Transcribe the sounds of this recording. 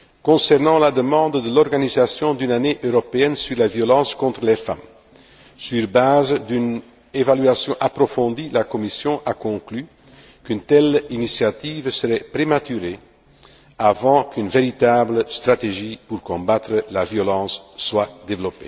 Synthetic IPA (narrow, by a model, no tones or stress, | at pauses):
kɔ̃sɛʁnɑ̃lad̪əmɑ̃d̪d̪əlɔʁɡanizasjɔ̃d̪ynaneʔøʁɔpeɛnsyʁlavjɔlɑ̃ːskɔ̃t̪χəlɛfa̰m | syʁbazd̪yn | evalyasjɔ̃ʔapɾɔfɔ̃d̪ilakɔmisjɔ̃ʔakɔ̃kly | kynt̪ɛlinisjat̪iːvsəʁɛpɾemat̪yʁe | avɑ̃kynveɾit̪abləst̪ʁat̪eʒipuʁkɔ̃bat̪ɾəlavjɔlɑ̃ːsːwad̪evəlɔpḛ